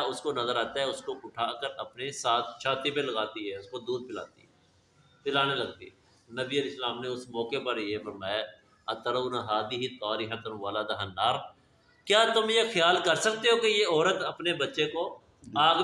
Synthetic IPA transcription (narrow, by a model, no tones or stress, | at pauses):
ʊskonɐzəɾaːt̪aɦɛʊskoʊʈʰaːkəɾɐpnesaːt̪ʰʃaːt̪ipelɐɡaːt̪iɦɛːʊskod̪uːd̪̚pɪla̰ːt̪iɛ | pɪlaːnelɐɡ̚t̪ḭɦɛ | nɐbiəleːslaːmneʊsmɔːkepəɾjefəɾmaːja | ɐt̪əɾənaɦaːd̪iɦit̪aːɾiɦət̪ənʋaːlad̪ɐɦənːaːɾ | kjaːt̪ʊmjexɪjaːlkɐɾsək̚t̪eɦokejeɔːɾət̪ɐpnebɐtːʃeko | aːɡ